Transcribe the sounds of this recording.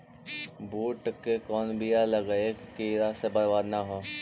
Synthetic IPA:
buːʈkekɔːnbʱijaləɡəekkiɾasebəɾʋaːd̪naɦoː

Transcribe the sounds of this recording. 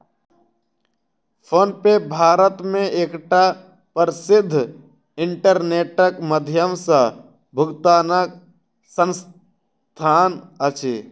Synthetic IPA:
pʰoːnpebʱaːɾət̪mẽeːkʈa | pəɾsɪd̪ʱː | ɪ̃ɳʈəɾneːʈəkməd̪ʱjəmsa | bʱʊɡt̪aːnək | sə̃ns | t̪ʰaːnət͡ʃʰeː

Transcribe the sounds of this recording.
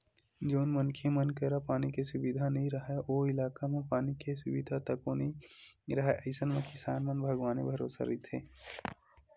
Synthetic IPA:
d͡ʒoːnmənkʰemənkəɾapaːnikesʊbid̪ʱanɐɦĩɾɐɦeoːɪlaːkamẽpaːnikesʊbid̪ʱat̪ɐkonəĩɾɐɦeʔəɪsənmẽkɪsaːnmənbʱəɡʋaːnebʱəɾo̰ːsa̰ɾit̪ʰḛː

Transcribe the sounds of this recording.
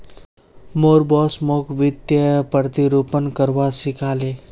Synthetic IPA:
moːɾbɔːsmoːkʋɪd̪jəpəɾt̪iɾuːpənkəɾʋasɪkʰaːleː

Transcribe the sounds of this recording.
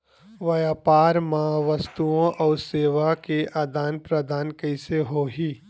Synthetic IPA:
ʋɐjaːpaːɾmãʋɐst̪uõʔɔːɾseːʋakeʔaːd̪aːnpɾɐd̪aːnkɐɪseɦoːɦiː

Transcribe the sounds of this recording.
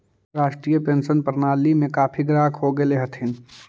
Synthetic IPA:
ɾaːʃʈɾiːjəpẽːnsənpəɾnaːlimẽkaːpʰiɡɾaːkɦoɡeleɦət̪ʰɪn

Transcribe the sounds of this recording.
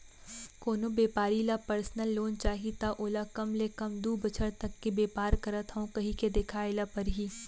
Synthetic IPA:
koːnobeːpaːɾilapɐɾsnəlːoːnt͡ʃaːɦit̪aʔoːlakɐmlekɐmd̪uːbɐt͡ʃʰəɾt̪ɐkːebeːpaːɾkɐɾət̪ɦɐõkɐɦiked̪ɪkʰaːɪlapɐɾɦiː

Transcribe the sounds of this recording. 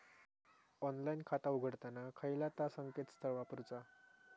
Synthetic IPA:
ɔnlainkʰat̪auɡʱəɽt̪anakʰəilat̪asəŋket̪st̪ʰəɾʋapuɾt͡sa

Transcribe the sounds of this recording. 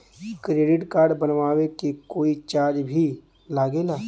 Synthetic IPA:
kɾeːɖɪʈkaːɾɖbɐnʋaːʋekekoːit͡ʃaːd͡ʒbʱi | laːɡeːlaː

